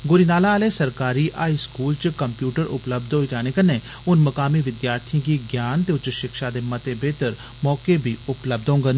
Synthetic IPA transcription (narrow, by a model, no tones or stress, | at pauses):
ɡʊɾiːnaːlaːleːsəɾkaːɾiːʔaːiːskuːlt͡ʃkəmpjuːʈəɾʔʊ̰pləbd̪oːid͡ʒaːneːkəneː | ʊnməkaːmiʋɪd̪jaːɾt̪ʰijə̃kiɡjaːnt̪eːʊt͡ʃʃɪkʃad̪eːmət̪ebeːt̪əɾ | mɔːkebʱiːʊpləb̚d̪õːŋɡən